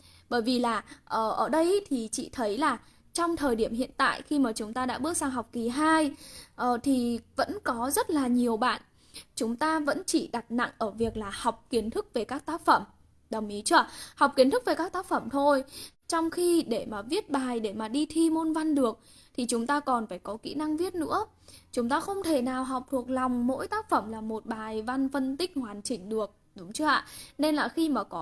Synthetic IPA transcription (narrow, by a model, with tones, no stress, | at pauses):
ɓəː˧˩jvi˨˩laː˨˩ʔəː˨˩ʔəː˧˩ɗə˧jt̪ʰi˨˩t͡ɕḭ˧˨t̪ʰə˨˦jlaː˨˩ | t͡ɕɔ˧wŋ͡mt̪ʰəː˨˩jɗi˧˩əmhḭ˧˨ənt̪a̰ː˧˨jxi˧maː˨˩t͡ɕʊ˨˦ŋ͡mt̪aː˧ɗa̰ː˧˥ɓɨ˦˥ək̚saː˧ŋɦa˨˩wk͡p̚ki˨˩ɦaː˧jʔəː˨˩t̪ʰi˨˩və̰˧˥nkɔ˨˦zə˦˥t̚laː˨˩ɲi˨˩əwɓa̰ː˧˨n | t͡ɕʊ˨˦ŋ͡mt̪aː˧və̰˧˥nt͡ɕḭ˧˩ɗa˨˩t̚na̰˧˨ŋʔəː˧˩vi˨˩ək̚laː˨˩hwk͡p̚ki˨˦ənt̪ʰɨ˦˥k̚ve˨˩kaː˦˥k̚t̪aː˦˥k̚fə˧˩m | ɗə˨˩wŋ͡mʔi˨˦t͡ɕɨ˧a˧˩ha˨˩wk͡p̚ki˨˦ənt̪ʰɨ˦˥k̚ve˨˩kaː˦˥k̚t̪aː˦˥k̚fə˧˩mt̪ʰo˧jt͡ɕɔ˧wŋ͡mxi˧ɗe˧˩maː˨˩vi˦˥ət̚ɓaː˨˩jɗe˧˩maː˨˩ɗi˧t̪ʰi˧mo˧nva˧nɗɨ˨˩ək̚ | t̪ʰi˨˩t͡ɕʊ˨˦ŋ͡mt̪aː˧kɔ˨˩nfaː˧˩jkɔ˨˦kḭ˧˥na˧ŋvi˦˥ət̚nɨ̰˧˥ə | t͡ɕʊ˨˦ŋ͡mt̪aː˧xə˧wŋ͡mt̪ʰe˧˩naː˨˩wɦa˨˩wk͡p̚t̪ʰu˨˩ək̚lɔ˨˩wŋ͡mmo̰˧˥jt̪aː˦˥k̚fə˧˩mlaː˨˩mo˨˩t̚ɓaː˨˩jva˧nfə˧nt̪ï˦˥k̟̚hwaː˨˩nt͡ɕï˧˩ŋ̟ɗɨ˨˩ək̚ | ɗʊ˨˦ŋ͡mt͡ɕɨ˧˦ʔa̰ː˧˨ne˧nlaː˨˩xi˧maː˨˩kɔ˨˦